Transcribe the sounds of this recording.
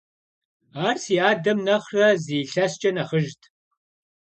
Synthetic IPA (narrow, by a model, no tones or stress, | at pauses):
aːrsiːaːdɐmnɐχrɐziːɬɐst͡ʃʼɐnɐχəʒtʰ